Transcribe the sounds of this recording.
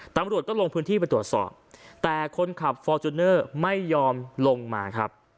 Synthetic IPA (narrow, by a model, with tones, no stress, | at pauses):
t̪a˧mɾu˨˩t̪̚kɔː˥˩lo˧ŋpʰɯ˦˥nt̪iː˥˩pa˧t̪ɾu˨˩t̪̚sɔ̰ː˨˩p̚t̪ɛː˨˩kʰo˧nkʰa˨˩p̚fɔː˧t͡ɕu˧nːɤː˥˩ma˥˩jːɔː˧mlo˧ŋmaː˧kʰɾa̰˦˥p̚